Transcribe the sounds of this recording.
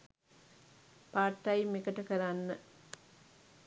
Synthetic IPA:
paːʈːajmekəʈəkəɾanːə

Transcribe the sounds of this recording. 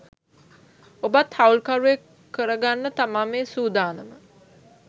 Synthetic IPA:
obat̪haulkaɾuekː | əɾəɡanːət̪amaːmeːsuːd̪aːnəmə

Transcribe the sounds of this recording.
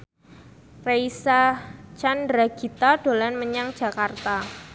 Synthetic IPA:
reisat͡ʃandɾaɡ̥it̪aɖ̥olanməɲaŋ̥d͡ʒ̥a̤kart̪a

